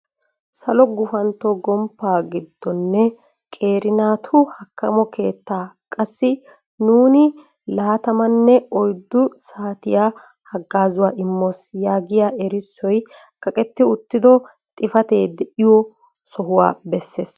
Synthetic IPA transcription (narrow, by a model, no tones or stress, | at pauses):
sɐlɔɡʊfɐnt̪ːɔɡɔmpːaːɡɪd̪ːɔnːɛ | kʼe̞ːɾɪnaːt̪ʰʊhɐkːɐmɔkʰe̞ːt̪ːaːkʼɐsːɪ | nuːnɪ | laːt̪ɐmɐnːɛɔjd̪ːʊsaːt̪ɪjaː | hɐɡːaːzʊwaːʔɪmːoːsjaːɡɪjaːʔɛɾɪsːɔj | kɐkʼɛt̪ːɪʊt̪ːɪd̪ɔ | t̪ʼɪfɐt̪e̞ːd̪ɛʔɪjɔ | sɔɦʊwa̰ːbɛsːe̞ːs